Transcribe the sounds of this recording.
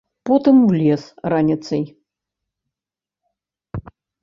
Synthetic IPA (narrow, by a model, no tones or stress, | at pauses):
pɔt̪ɨmwlʲɛsranʲɪt̪sɐj